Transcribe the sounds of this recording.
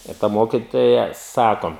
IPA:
ɪr ˈtɐ ˈmoːkʲɪtoːjɛ ˈsɑːkoː

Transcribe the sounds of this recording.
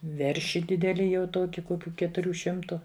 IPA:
ˈʋʲɛrʲʃʲɪ ˈdʲɪdʲɛlʲɪ jɛʊ ˈtuɔkʲɪ ˈkoːkʲʊ kʲɛtʊˈrʲuː ˈʃʲɪmtʊ

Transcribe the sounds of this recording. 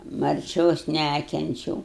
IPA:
mɐrʲˈt͡ʃʲoːs ˈnʲækʲɛnʲt͡ʃʲɛʊ

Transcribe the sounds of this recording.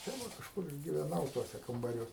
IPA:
tɐɪ ˈʋɐ kɐʃˈkʊr ɪr ɡʲɪʋʲɛˈnɐʊ ˈtuɔsʲɛ kɐmbɐˈrʲuɔs

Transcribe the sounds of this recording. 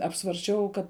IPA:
ɐpsʋɐrʲsʲˈt͡ʃʲɛʊ ˈkɐt

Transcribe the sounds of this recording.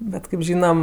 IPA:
ˈbʲɛt kɜp ˈʒʲiːnɐm

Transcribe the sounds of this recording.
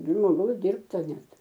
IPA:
ʒmoːˈɡɐʊs ˈdʲɪrptɐ ˈnʲɛt

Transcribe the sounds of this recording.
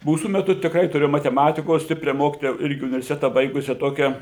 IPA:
ˈmuːsuː mʲɛˈtʊ tʲɪkˈrɐɪ tʊˈrʲeːjoːm mɐtʲɛˈmɑːtʲɪkoːs ˈsʲtʲɪpʲrʲɛ ˈmoːkʲɪtoːjɛ ˈɪrʲɡʲɪ ʊnʲɪʋʲɛrʲsʲɪˈtʲæːtɐ ˈbɐɪɡʊsʲɛ ˈtoːkʲɛ

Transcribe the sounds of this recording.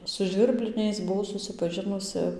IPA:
sʊ ʒʲʋʲɪrʲˈbʲlʲɪnʲɛɪs bʊˈʋɐʊ sʊsʲɪpɐˈʒʲɪnʊsɨ

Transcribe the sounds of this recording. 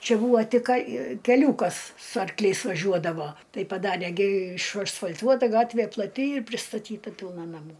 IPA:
ˈt͡ʃʲɛ ˈbuːʋoː ˈtʲɪk ˈkɐ kʲɛˈlʲuːkɐs sʊ ɐrkˈlʲɛɪs ʋɐˈʒʲuɔdɐʋoː ˈtɐɪ pɐˈdɑːrʲeː ɡʲɪ ɪʃɐsfɐlʲˈtuɔtɐ ˈɡɑːtʲʋʲeː plˠɐˈtʲɪ ɪr pʲrʲɪstɐˈtʲiːtɐ ˈpʲɪlˠnɐ nɐˈmuː

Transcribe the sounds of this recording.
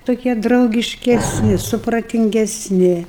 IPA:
toːˈkʲiɛ drɐʊɡʲɪʃʲkʲɛsʲˈnʲɪ sʊprɐtʲɪŋʲɡʲɛsʲˈnʲɪ

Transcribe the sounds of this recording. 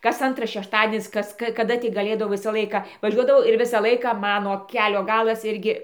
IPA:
kɐs ˈɐntrɐs ʃʲɛʃˈtɑːdʲiɛnʲɪs ˈkɐs ˈkɐ kɐˈdɐ tʲɪk ɡɐˈlʲeːdɐʋɐʊ ˈʋʲɪsɐ ˈlˠɐɪkɐ ʋɐˈʒʲuɔdɐʋɐʊ ɪr ˈʋʲɪsɑː ˈlˠɐɪkɑː ˈmɑːnoː ˈkʲæːlʲoː ˈɡɑːlˠɐs ˈɪrʲɡʲɪ

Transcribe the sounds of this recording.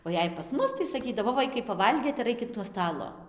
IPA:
oː ˈjɛɪ pɐs ˈmʊs tɐɪ sɐˈkʲiːdɐʋoː ˈʋɐɪkɐɪ pɐˈʋɐlʲɡʲeːt ɪr ˈɐɪkʲɪt nuɔ ˈstɑːlˠoː

